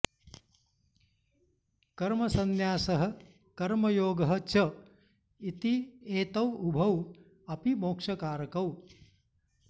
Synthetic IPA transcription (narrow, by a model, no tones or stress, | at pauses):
kɐɾmɐsɐnjaːsɐɦɐ̆ | kɐɾmɐjoːɡɐɦɐ̆t͡ʃɐ | it̪ieːt̪ɐwubʱɐw | ɐpimoːkʂɐkaːɾɐkɐw